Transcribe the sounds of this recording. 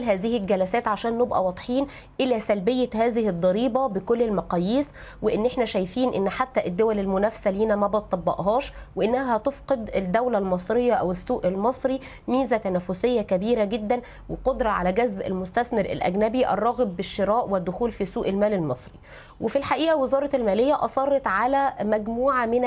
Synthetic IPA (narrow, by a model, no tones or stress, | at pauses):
lɦæːzɪhɪlɡælæsæːt̪ʕaʃæːnːebʔæ̰wɑd̪ˤħiːn | ʔɪlæsælbejːæhæːzɪhɪd̪ˤːɑɾiːbɑbekolːelmɑqɑːjːiːs | weʔɪnːʔeħnæʃæjfiːnʔɪnːħat̪ːæʔed̪ːowælelmʊnæfsæliːnæmæbɑt̪ˤːɑbːɑ̰ʔɦɑːʃweʔenːæɦæt̪ofqed̪ed̪ːæwlælmɑsˤɾejːɑʔæwesːuːʔelmɑsˤɾi | miːzæt̪ænæfːosejːækæbiːɾæɡed̪ːæn | weqod̪ɾˤɑʕa̰læɡæzbḛlmʊst̪æsmeɾḛlʔæ̰ɡnæbiʔɑ̰rˤːɑːɣbːɪʃːeɾɑːʔwɪd̪ːʊxuːlfisuːʔelmæːlelmɑsˤɾi | wʔefilħaʔiːʔæwezɑːɾˤɑtelmæːlejːæʔɑsˤɑrˤːɑt̪ʕalæmæɡmuːʕamɪn